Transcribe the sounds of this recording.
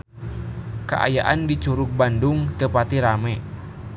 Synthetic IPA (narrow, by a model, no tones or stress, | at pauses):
ka̰ʔa̰jaʔandit͡ʃuɾuk̚bandʊŋt̪əpat̪iɾamɛ